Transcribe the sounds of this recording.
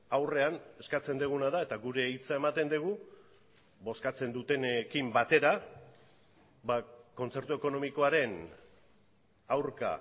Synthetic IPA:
awre̞ane̞skat͡se̞nd̪eɣ̞unaðae̞t̪aɡuɾe̞it͡sae̞mat̪e̞nd̪eɣ̞u | bo̞skat͡se̞nd̪ut̪e̞nekimbat̪e̞ɾa | βako̞nt͡se̞ɾt̪ue̞ko̞no̞miko̞aɾe̞n | awɾka̰

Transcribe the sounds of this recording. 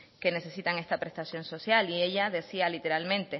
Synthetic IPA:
ke̞ne̞se̞sit̪aŋe̞st̪apɾe̞st̪asjõ̞nso̞sjalie̞ʎaðe̞sialit̪e̞ɾalmẽ̞nt̪e̞

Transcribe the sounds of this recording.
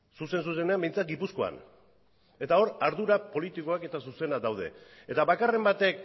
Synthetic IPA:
suse̞ns̬us̬e̞neambejnt͡sat̪̚ɡipusko̞a̰n | e̞t̪ao̞ɾaɾðuɾapo̞lit̪iko̞ake̞t̪asuse̞nad̪awð̞e̞̰ | e̞t̪aβakare̞mbat̪e̞k̚

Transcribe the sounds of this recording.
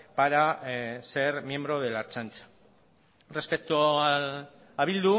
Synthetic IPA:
paɾase̞ɾmje̞mbɾo̞ð̞e̞laɾt͡sant͡sḁ | re̞spekt̪o | aβild̪u

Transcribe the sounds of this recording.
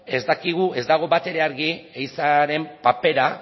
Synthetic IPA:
e̞zd̪akiɣ̞ue̞zd̪aɣ̞o̞βat̪e̞ɾe̞aɾɣiejsaɾe̞mpape̞ɾa

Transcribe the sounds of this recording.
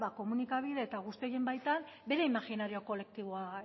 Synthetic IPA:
βako̞munikaβ̞iðe̞ːt̪aɣ̞ust̪ieje̞mbajt̪an | be̞ɾe̞imaɣinaɾioko̞le̞k̚t̪iβoa

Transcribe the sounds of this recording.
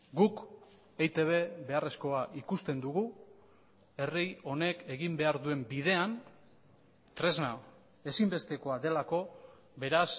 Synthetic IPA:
ɡuk | ejt̪e̞β̞e̞βe̞are̞sko̞aʔikust̪e̞nd̪uɣu | e̞rijo̞ne̞ke̞ɣimbe̞aɾðue̞mbiðe̞an | t̪ɾe̞zna | e̞simbe̞st̪e̞ko̞aðe̞lako̞ | βe̞ɾas

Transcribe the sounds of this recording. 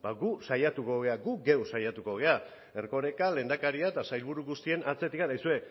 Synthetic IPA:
baɡusajat̪uko̞ɣe̞aɡuɡewsajat̪uko̞ɣ̞e̞a | e̞rko̞ɾe̞kale̞nd̪akaɾiaet̪asajlβuɾuɣust̪ie̞nat͡se̞t̪ikanajsue̞

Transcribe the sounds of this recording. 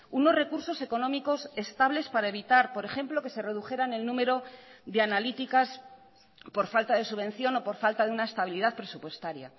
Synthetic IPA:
uno̞zre̞kuɾso̞se̞ko̞nõ̞miko̞se̞st̪aβle̞spaɾae̞βit̪aɾpo̞ɾe̞xe̞mplo̞ke̞se̞re̞ðuxe̞ɾane̞lnũme̞ɾo̞ðe̞analit̪ikas | po̞ɾfalt̪aðe̞suβẽ̞n̟θjo̞no̞po̞ɾfalt̪aðeunae̞st̪aβ̞iliðaðpɾe̞supwe̞st̪aɾja̰

